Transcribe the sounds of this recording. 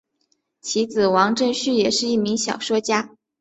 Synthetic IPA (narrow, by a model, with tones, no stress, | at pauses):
t͡ɕʰi˧˥t͡sɹ̩˨˩wɑ˧˥ŋʈ͡ʂə˥˧ŋɕy˥˩jɛ˨˩ʂɻ̩˥˧i˥˩mi˧˥ŋɕjɑ˨˩ʊʂwɔ˥t͡ɕja˥